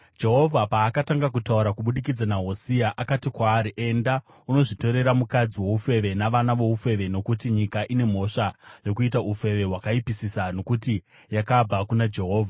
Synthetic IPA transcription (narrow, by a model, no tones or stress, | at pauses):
d͡ʒe̞ɦo̞vʱapaːkataŋɡakutauɾakuɓuɗikid͡zanaɦo̞siaʔakatikwaːɾiʔe̞nda | uno̞ʐito̞ɾe̞ɾamukad͡ziwe̞ufe̞ʋe̞naʋanaʋo̞ufe̞ʋe̞no̞kutiɲikaʔine̞m̤o̞ʂajo̞kuit̬aufe̞ʋe̞ɦwakaipisisano̞kuti | jakab͡vʱakunad͡ʒe̞ɦo̞ːvʱa